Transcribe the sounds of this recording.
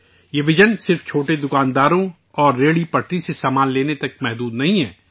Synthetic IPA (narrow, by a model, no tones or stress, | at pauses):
jeʋɪd͡ʒənsɪɾft͡ʃʰoːʈed̪ʊkaːnd̪aːɾõ | ɔːɾːeːɽipɐʈɾisesaːmaːnleːnet̪ɐkmɛɦd̪uːd̪nɐɦĩɦɛː